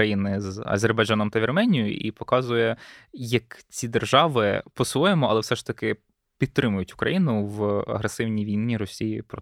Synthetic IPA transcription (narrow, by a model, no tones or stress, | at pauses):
ɐjinɪzɐ̰zʲerbɐjd͡ʒɑnɔmt̪ɐʋʲirmɛnʲjʊ̰ʔḭpɔkɑzʊjɛjɐkt͡sʲid̪erʒɑʋɪpɔsʋɔjemɔɐlˠɛwsɛʃt̪ɐkɪ | pʲid̪̚t̪ɾɪmʊjʊtʲʊ̥kɾɐ̰jinʊʋɐ̰ɦɾesɪwnʲiʋʲinʲnʲːiɾɔsʲijipɾɔ